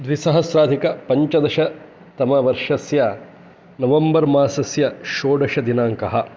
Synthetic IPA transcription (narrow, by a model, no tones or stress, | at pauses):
d̪ʋisɐɦɐsɾaːd̪ʱikɐpɐɲt͡ʃɐd̪ɐʃɐ | t̪ɐmɐʋɐɾʂɐsjɐ | nɐʋɐmbɐɾmaːsɐsjɐʃoːɖɐʃɐd̪inaːŋkɐɦɐ̆